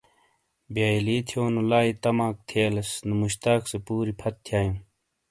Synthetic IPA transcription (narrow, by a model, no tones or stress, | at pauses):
bjaːiliːt̪ʰjoːnulaːit̪ɐmãːk̚t̪ʰeːlesnumuɕt̪aːksepuːɾipʰɐt̪̚ːʰjaːjũː